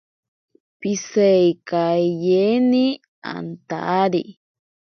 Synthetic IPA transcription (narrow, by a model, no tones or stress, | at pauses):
pisajkaʎeni | a̰nt̪a̰ːɾi